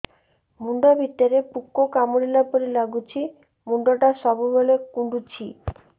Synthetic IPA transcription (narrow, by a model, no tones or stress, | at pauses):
muɳɖobʱit̪ːeɾepukːokamoɽilapoɾilaɡut͡ɕʰi | muɳɖoʈaʃɔbubolekuɳɖut͡ɕʰi